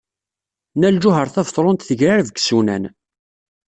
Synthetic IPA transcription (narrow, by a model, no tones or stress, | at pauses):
næld͡ʒʊɦəɾˤθævt̪ˤɾˤont̪θəʝɾaɾvəɡsunæ̰n